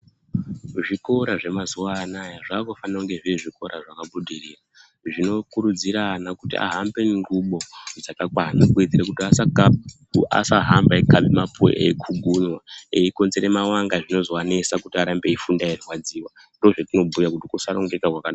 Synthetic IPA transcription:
ʐiko̞ɾaʐe̞mazuwaːnajaʐaːkofanauŋɡe̞ʐiʐiko̞ɾaʐakabudʱiriːra | ʐino̞kuɾud͡ziɾanakutiʔa̰ɦambe̞ŋɡuɓo̞d͡zakakwanakued͡ziɾakutiasaka | uʔa̰saɦambaekaɓimapʰo̰ḛikʰuɡʱuɲwaeiko̞nzeɾemawaŋɡaʐino̞zoane̞sakutiaɾambe̞ifundairwad͡ziːwa | ndoʐatino̞bʱujakutikusaɾoŋɡekakwakana

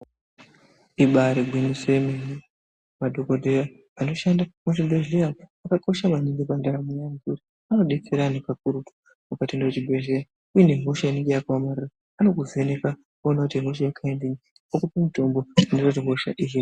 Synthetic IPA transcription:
iɓaɾeɡʱwinisemeni | madʱokodʱeɾa | ano̞ʃandamut͡ʃibʱe̞ɮejaakako̞ʃamaniŋɡipandaɾamojamɡuɾi | ano̞ɗet͡seɾanipak̚uɾutu̥ | mukatindewet͡ʃibʱe̞ɮeɾa | ujine̞mo̞ʃaineŋɡejakawamariraːno̞kuzene̞ka | konakutimo̞ʃ̬ajakʰaendiɲi | okupemito̞mboandirotimoʃa̰ʔiɦi

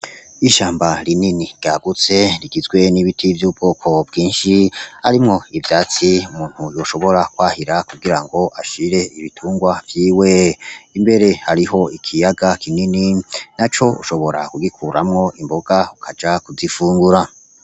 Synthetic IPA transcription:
iʃaːmbaɾininiɾɡ̥aːɡut͡se̞ɾiɡizɡwe̞niβitʰivjuːbɡoːkʰo̞b̚ɡiːnʃia̰ɾimŋo̞ivjaːt͡siumuːn̥hujoːʃo̞βo̞ɾakwaːhiɾakuɡiɾaŋɡo̞ʔaʃiɾe̞iβitʰuːŋɡwavjiːweimbe̞ɾe̞haɾiɦo̞ikʰijaɡakʰinininat͡ʃo̞ṵʃo̞βo̞ɾa̰kuɡikʰuɾamŋo̞ʔimbo̞ɡaukʰad͡ʒakuzifuːŋɡuɾa

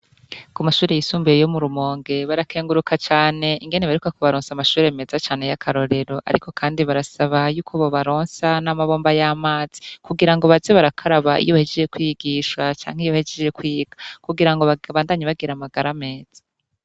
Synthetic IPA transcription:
kumaʃuːɾe̞jisuːmbejejo̞muɾumo̞ːŋɡe̞βaɾakʰe̞ːŋɡuɾukʰat͡ʃaːne̞ʔiŋɡe̞neβaɾukakuβaɾoːnsamaʃuːɾe̞me̞ːzat͡ʃaːne̞jakʰaɾo̞ɾe̞ɾo̞ʔa̰ɾḭkʰo̞kʰaːndiβaɾasaβajuːkʰoβo̞βaɾo̞ːnsanamaβo̞ːmbajamaːz̥i̥kuɡiɾaŋɡo̞βazeβaɾakʰaɾaβaḭjoahed͡ʒed͡ʒe̞kwiɡiʃat͡ʃa̰ːŋ̥ejoβhed͡ʒed͡ʒe̞kwiːɡ̥ḁkuɡiɾaŋɡo̞βaβaːndaɲeβaɡiɾamaɡaɾame̞ːz̥ḁ

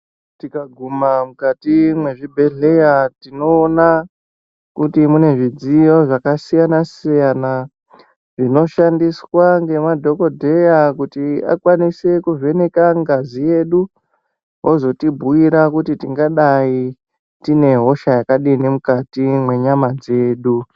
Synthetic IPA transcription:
tikaɡʱumamukatimwe̞ʐibʱe̞ɮe̞jatino̞ːna | kutimune̞ʐid͡zijo̞ʐakasijanasijana | ʐino̞ʃandiswaŋɡe̞madʱo̞ko̞dʱe̞jakutia̰kwanise̞kuve̞ne̞kaŋɡazije̞ɗu | ɦozo̞tibʱuwiɾakutitiŋɡaɗai | tine̞ɦo̞ʃajakaɗinemukatimwe̞ɲamad͡ze̞ːɗu

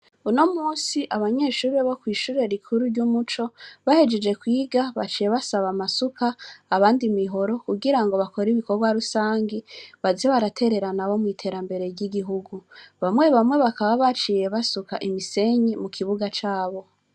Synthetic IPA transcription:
uno̞muːsiʔaβaɲe̞ːʃuːɾe̞βokwiːʃuːɾe̞ɾikʰuɾuɾɟumut͡ʃo̞βahed͡ʒe̞d͡ʒe̞kwiːɡaβat͡ʃije̞βasaβamasukaːβaːndimiɦo̞ɾo̞kuɡiɾaŋɡo̞βako̞ɾiβiko̞ɾɡwaɾusaːŋɡiβazeβaɾatʰe̞ɾe̞ɾanaβo̞mŋiːtʰe̞ːɾambe̞ɾe̞ɾɟiɡiɦuɡuβamwe̞βamŋwe̞βakaβaβat͡ʃiːje̞βasuka̰ʔimise̞ɲimukʰiβuɡat͡ʃaːβo̞

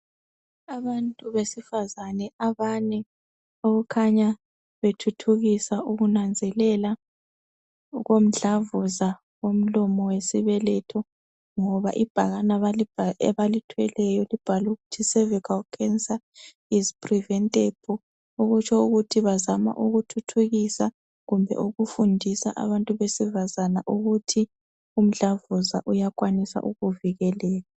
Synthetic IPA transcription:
aβantʼuβesifazanɛaβanɛ | oɣukʰaɲa | βetʰutʰuɣisauɣunand͡zʱɛlɛla | ɣom̩ɮavuza | wom̩lɔmɔwesiβɛlɛtʰɔ | ŋɔβa̰ʔib̥ʱaɣanaalɛβalitʰwɛlɛjɔlib̥ʱaluɣutʰisɛvikʰalkʰɛnsa | izpʰʼrivɛntʼebʰʱɔ | uɣut͡ʃʰɔuɣutʰiβazama̰ʔuɣutʰutʰuɣisa | ɣumbʱɛ̰ʔuɣufundʱisa̰ʔa̰βantʼuβesivazanaʔuɣutʰi | um̩ɮavuzaʔujakʼwanisa̰ʔuɣuviɣɛlɛːla

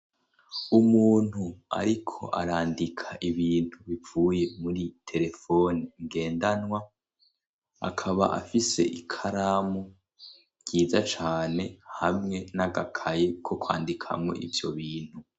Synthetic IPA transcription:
umuːn̥hua̰ɾikʰo̞̰ʔa̰ɾaːndikʰaʔiβiːn̥huβivuːje̞muɾitʰe̞ɾe̞fo̞niŋɡe̞ːndanŋwa | a̰kʰaβa̰ʔa̰fise̞̰ʔikʰaɾamo | ɟ̥iːzat͡ʃaːne̞hamŋe̞naɡakʰajekʰo̞kwa̰ːndikʰa̰mŋe̞̰ʔḭvjo̞βiːn̥hu

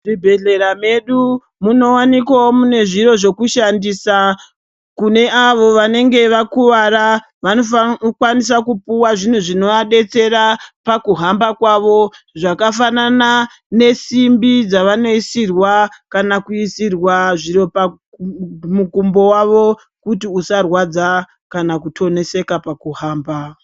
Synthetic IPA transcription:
ribʱe̞ɮe̞ɾame̞ɗu | muno̞wanikwaomune̞ʐiɾo̞ʐo̞kuʃandiːsa | kune̞ʔaʋo̞ʋane̞ŋɡe̞ʋakuʋaɾa | ʋanokwanis̬akupuwaʐin̤uʐino̞ʋaɗe̞t͡se̞ɾapakuɦambakwaʋo̞ | ʐakafanana | ne̞simbid͡zaʋano̞isirwakanakuisirwaʐiropa | mukumbo̞waʋo̞ | kutiusarwad͡za | kanakutʰo̞ne̞se̞kapakuɦaːmba

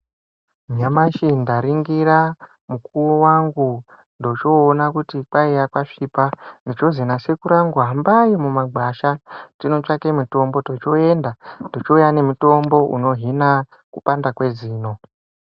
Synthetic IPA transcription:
ɲamaʃindaɾiŋɡira | mukuwowaŋɡu | ndo̞t͡ʃo̞ːnakutipaijakwaʂipandit͡ʃo̞zenase̞kuɾaŋɡuɦambaimumaɡʱaʃatino̞t͡ʃake̞muto̞mbo̞to̞t͡ʃo̞e̞ndandot͡ʃoujane̞muto̞mbo̞ʔṵno̞ɦina | kupandakwe̞ziːno̞

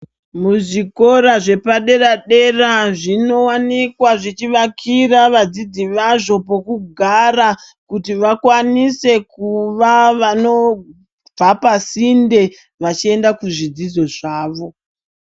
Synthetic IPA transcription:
muʐiko̞ɾaʐe̞paɗe̞ɾaɗe̞raʐino̞wanikwaʐit͡ʃiʋakʰiraʋad͡zid͡ziʋaʐo̞po̞kuɡʱarakutiʋakwanise̞kuʋaʋano̞ | b͡vʱapasinde̞ | ʋat͡ʃie̞ndakuʐid͡zid͡zo̞ʐaːʋo̞

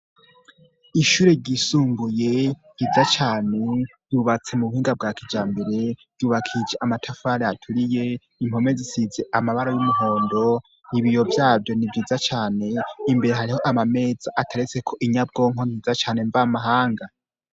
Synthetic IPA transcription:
iʃuːɾe̞ɾɟisuːmbuje̞jizat͡ʃaːne̞̥ | juβat͡se̞muβuhiːŋɡab̚ɡaːkid͡ʒaːmbe̞ɾe̞v̥ɟuβakʰid͡ʒeʔamatʰafaːɾeatʰuɾije̞ | imho̞me̞zisize̞ʔamaβaɾojumuɦo̞ːndo̞ | niβijo̞vjaːvjo̞nivjiːzat͡ʃaːne̞imbe̞ɾe̞ɦaɾiho̞ʔamame̞ːd͡zaʔatʰaɾet͡se̞kʰo̞ʔiɲab̚ɡo̞ːŋho̞niːzat͡ʃaːne̞ɱvamaɦaːŋɡa

